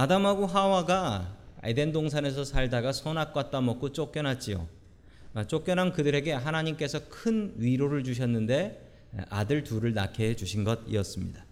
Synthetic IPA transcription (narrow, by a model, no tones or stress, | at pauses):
adamɦaɡuɦawaɡaḛde̞ndoŋsʰane̞s̬ʰʌsʰaɭdaɡasʰʌnak̚k͈wat̚t͈amʌk͈ot͡ɕ͈ok͈jʌnɦat̚t͡ɕ͈io̰ | t͡ɕ͈ok͈̚jʌnɦankɯdɯɾe̞ɡe̞ɦanaɲimk͈e̞sʰʌkʰɯnɥiɾoɾɯɭt͡ɕuɕ̬ʰʌnːɯnde̞̰ | ʔadɯɭtuɾɯɭnakʰed͡ʑuɕʰinɡʌdḭʌs͈ɯmɲida